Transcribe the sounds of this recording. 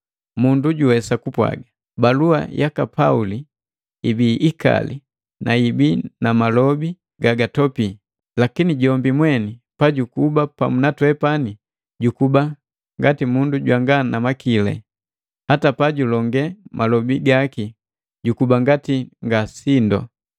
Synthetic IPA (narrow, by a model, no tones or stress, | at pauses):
munduɟuwɛsakupwa̰ɡa | balua̰jʔakapauli | ibiʔːka̰lḭ | nʔaibinamalɔbi | ɡaɡatɔpi | lakiniɟɔmbimwɛnipaɟukubapa̰munatwɛpani | ɟukuba | ŋɡatimunduɟwaŋɡanamakilɛ̰ | hatapaɟulɔŋɡɛmalɔbiɡaki | ɟukubaŋɡatiŋɡasindɔ̰